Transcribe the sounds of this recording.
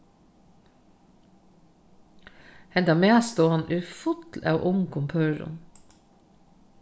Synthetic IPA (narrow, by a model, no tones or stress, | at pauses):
hɛnd̪ɑːmeːst̪uːhɑnʔʉːfʊt̪l̩ʔɑ̰ːʔʊŋkʰʊmpʰøːɾʊ̰m